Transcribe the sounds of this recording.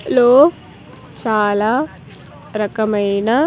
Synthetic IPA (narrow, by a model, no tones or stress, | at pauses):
loː | t͡ʃaːlaː | ɾɐkɐmɐjnɐ